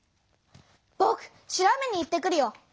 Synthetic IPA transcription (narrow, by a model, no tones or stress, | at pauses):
pokʰ | ɕiɾamenːiːt̪ːek̬ːɯɾijo